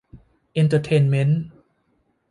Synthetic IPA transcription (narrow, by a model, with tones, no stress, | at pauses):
ʔi˧nt̪ʰa˧t̪ʰeː˧nme˦˥n